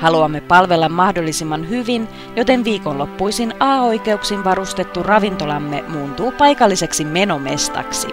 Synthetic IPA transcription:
hɑluɑmːe̞pɑlʋe̞lːɑmːɑhdo̞lːisimːɑnɦyʋin | jo̞t̪e̞nʋiːko̞nlo̞pːujsinɑːo̞jke̞uksinʋɑɾust̪e̞t̪ːurɑʋint̪o̞lɑmːe̞̰muːnt̪uːpɑjkɑlːise̞ksime̞no̞me̞st̪ɑ̰ksḭ

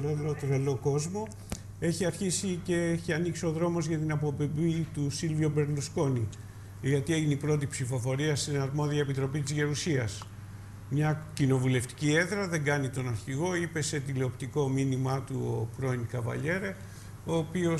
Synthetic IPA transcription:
elot̪ɾelo̞ko̞zmo̞ | e̞çiɐɾçisice̞eçiɐniksio̞ðɾo̞mo̞zʝɐt̪inɐpo̞bibit̪usilviobe̞ɾlusko̞ni | ʝɐt̪ie̞ʝineipɾo̞t̪̬ipsifo̞fo̞ɾiɐst̪inɐɾmo̞ðiɐe̞pit̪ɾo̞pit̪izʝeɾusiɐs | mɲɐcino̞vule̞ft̪i̥cie̞ðɾɐðe̞ŋɡɐnit̪o̞nɐɾçiɣo̞ipe̞se̞t̪ileopt̪iko̞minimɐt̪uopɾo̞indkɐvɐ̰ʎe̞ɾe | o̞ːpio̞

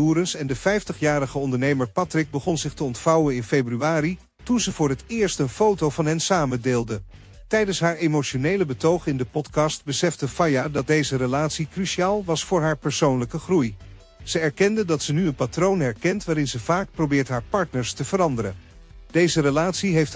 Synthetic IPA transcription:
uːɾənsɛndəfɛjftəχjaːɾəχəɔndəɹnejməɹpɑtrɪɡ̚bəχɔnzɪχtəɔntfɑwənɪnfejbryaːɾi | tunzəvʊːɹɦətɪːɹstənfowtowvɑnɦɛnsaːməndeːlˠdə | tɛjdənsɦaːɹemoʃonejləbətowχɪndəpɔtkɑstbəsɛfdəfajaːdɑt̚dejzərəlaːtsikryʃiaːlˠʋɑsfʊːɹɦaːɹpɛɹsownləkəχruj | z̥əɛɹkɛndədɑtsənyənpatrownɦɛɹkɛntʋaːɾɪnzəvaːk̚prowbɪːɹtɦaːɹpɑɹtnəɹstəv̥əɾɑndəɾə̰n | d̥ejzərəlaːtsiɦejft

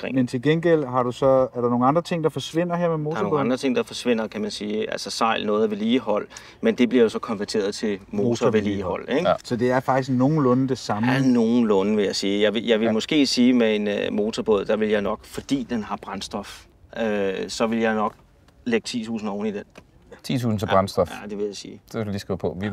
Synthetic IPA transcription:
ʁḛŋment͡sʰe̝lɡ̥enɡ̥el̰ɦɑ̈ɾ̥usɒ̽æɐɾɑno̝ːŋ̩ɑ̈nd̥ʁɐt͡sʰe̝ŋ̰d̥ɑfɒ̽sʋe̝n̰ɐɦeɐ̰memonoŋ̩ɑndʁɐt͡sʰe̝ŋ̰d̥ɑ̈fɒ̽sʋe̝n̰ɐkʰæmænsiːʔælsəsɑ̈ɪ̰lnɔ̽ːð̩ˠʋe̝liːɦɒ̽l̰ | mend̥e̝b̥liɐjosɒ̽kʰɒ̽nʋæɐt͡sʰe̝̰ːɐð̩ˠt͡sʰe̝mo̝ːt͡sʰɒʋeliːhɒ̽l̰eɡ̥sɒd̥e̝æɐfɑ̈ɡ̥d̥isɡno̝ːn̩lɔnd̥e̝sɑ̈mæno̝ːn̩lɔ̽nəʋe̝jɑ̈ɪsiːjɑ̈ɪʋejɑ̈ɪʋe̝mɒ̽sɡ̥e̝̰ːsiːmee̝nmo̝ːt͡sʰɒb̥ɔð̰ˠd̥ɑ̈ʋe̝ljɑ̈ɪnɒ̽ɡ̥fɒ̽d̥ḭːd̥enɦɑ̈b̥ʁɑ̈nsd̥ɒ̽f | ʔøsɒ̽ʋe̝ljɑ̈ɪnɒ̽ɡ̥̚ | leɡ̥t͡sʰḭːt͡sʰṵːsn̩ɒːnid̥en | t͡sʰḭːt͡sʰṵːsn̩t͡sʰeb̥ʁɑnsd̥ɒfæd̥e̝ʋe̝jɑ̈ɪsiːd̥eselliːsɡ̥epʰɔ̽ʋi

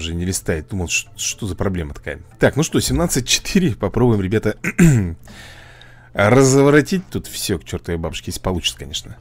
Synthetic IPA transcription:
ʐɨnʲɪlʲɪst̪aɪt̪̚ʲd̪uməlˠʂʂt̪o̞zəpɾɐblʲe̞mət̪ɐ̥ka̰jət̪aknuʂt̪o̞sʲɪmnat̪sɨt̚ʲt͡ɕɪ̥t̪iɾʲɪpɐpɾo̞bʊjɪmɾʲɪbʲat̪ə | rəzəvɾɐtʲit̚ʲt̪ut̪fsʲokt͡ɕo̞rt̪əjəbabʊʂkʲɪesʲpɐlˠut͡ɕɪ̥əkɐnʲe̞ʂnə

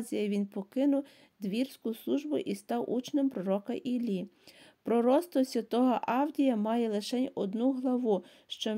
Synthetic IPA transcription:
zʲijɐʋʲinpɔkɪnʊw | d̪ʋʲirsʲkʊslˠuʒbʊʔist̪ɑwʔṵt͡ʃnempɾɔɾɔkɐʔilʲi | pɾɔɾɔst̪ɔsʲʋʲɐt̪ɔɦɐʔɑwdʲijɐmɑjɛlˠɪʃɛnʲɔd̪nuɦlˠɐʋu | ʃt͡ʃɔ

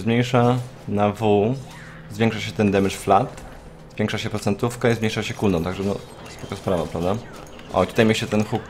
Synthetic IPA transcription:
zmɲejʂa | navu | zvʲjɛ̃ŋkʂaɕɛt̪ɛnd̪ɛmɘʂflat̪ | zvʲjɛŋkʂaɕɛpɾɔt̪sɛnt̪ufkaizmɲejʂaɕɛkuld̪ɔmt̪aɡʐɛnɔ̰ | spɔkaspɾavapɾavd̪a | ʔɔ̰t̪u̥t̪ajmʲeɕt͡ɕɛt̪ɛnxuk

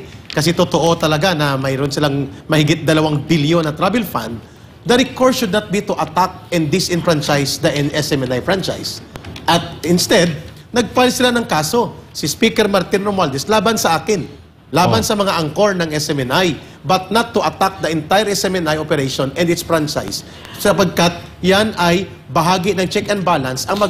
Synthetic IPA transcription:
kɐsɛt̪ʊt̪oʔo̞t̪ɐlɐɡanɐmɐjɾonsɪlaŋmɐhɪɡɪt̪̚d̪ɐlɐwaŋbiljonɐt̪ɾabɛlfã̰nd̪̚ː | aɾikoɹʃʊd̪nɐt̪̚bit̪ʊʔɐt̪ak̚ɛnd̪ɪsʔɪnfɾant͡ʃajsd̪ɐʔɛnʔɛsɛmɛnajfɹant͡ʃa̰jsʔɐt̪̚ɪnst̪ɛd̪̚ | nɐɡ̚palsɪlanɐŋkaːso̞sɪspikɛɹmɐɾt̪ɪnɾomald̪ɪslaːbɐnsɐʔaːkɪn | laːbɐnsɐmɐŋaʔɐŋkoɹnɐŋɛsɛmɛnaj | bɐt̪̚nɐt̪ːʊʔɐt̪ak̚d̪ɐʔɛnt̪ajɛɾɛsɛmɛnajʔopɛɾɛʃonɛnd̪ɪt̪sfɹant͡ʃa̰js | sɐpɐɡ̚kɐt̪̚ | janɐj | bɐɦaːɡɪnɐŋt͡ʃɛkɛ̃n̚balɐnsɐŋmɐ

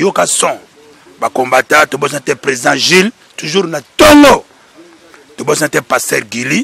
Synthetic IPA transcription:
jokasɔ̃ | bakombatatobos̬atɛpʁeziãʒil | tuʒuʁnatoŋɡo | tobosnatɛpastɛʁɡili

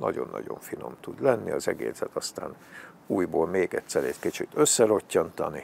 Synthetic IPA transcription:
nɒɟo̞nːʔɒ̰ɟo̞̰ɱfino̞mt̪ud̪lɛnːiɒzɛɡḛːsɛt̪ɒst̪a̰ːn | uːjboːlmeːɡɛt̪sɛɾɛckit͡ʃit̪ø̞sːɛɾo̞cːɒnt̪ɒni

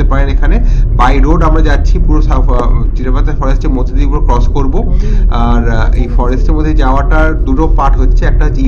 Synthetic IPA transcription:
epaɾenekʰanebajɾoɖamɾad͡ʑatːɕʰipuɾosat͡ɕiʈepat̪ːaɾfɔɾesʈemod̪ʱed̪ipuɾokɾɔskoɾboaɾḛjfɔɾesʈeɾmod̪ʱːed͡ʑaoaʈad̪uʈopaʈɦotːɕʰeɛk̚ʈaɦot͡ɕʰːi

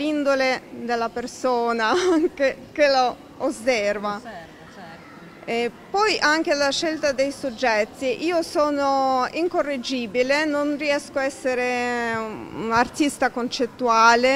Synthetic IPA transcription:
lind̪oled̪elːapersoːnake | kelo | osːɛrva | ɛ | pɔjʔaŋk̟elaʃːelt̪ad̪ejsud͡ʒːɛt̪ːiʔiːosoːnoiŋkorːed͡ʒiːbilenonriɛskoaɛsːeɾe | nart̪ist̪akont͡ʃet̪ːuaːle

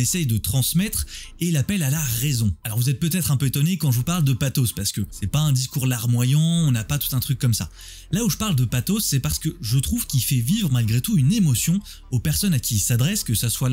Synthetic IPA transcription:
esɛjd̪ət̪χɑ̃smɛt̪χelapɛlalaʁezɔ̃alɔʁvuzɛt̪̚pøt̪ɛt̪χɛ̃pøet̪ɔnekɑ̃ʒəvupaʁld̪əpat̪ospaʁsə̥kəsɛpaɛ̃d̪iskuʁlaʁmwajɑ̃ɔ̃napat̪u̥t̪ɛ̃t̪χykːɔmsa̰ | lauʒəpaʁld̪əpat̪osːɛpaʁsə̥kəʒət̪χuv̥kʲifɛvivʁmalɡʁet̪uynemɔsjɔ̃ | opɛʁsɔnakʲisad̪ʁɛskəsaswa

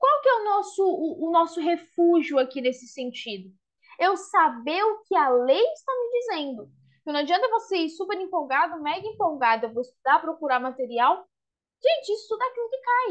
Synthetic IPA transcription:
kwawkɪɛʊnɔsʊʊːnɔsʊɦefuʒiʊakinesɪ̥sẽnt͡ʃid̪ʊ | ewsabeʊkɪɐlejɪst̪amɪd͡ʒizẽnd̪ʊ | kɪnɐ̃ad͡ʒiɐ̃nt̪ɐvoseiɾsupeɾĩmpowɡad̪ʊmɛɡɐĩmpowɡad̪ʊewvowɪst̪ud̪aɾɐpɾokuɾaɾmat̪eɾiaw | ʒ̥ẽnt͡ʃɪisʊ̥t̪ud̪akilʊkɪkaj

